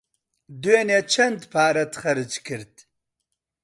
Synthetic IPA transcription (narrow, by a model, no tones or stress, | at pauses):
d̪uenet͡ʃʰɐnt̪pʰaːɾɐt̪χɐɾɨt͡ʃkʰɨɾt̪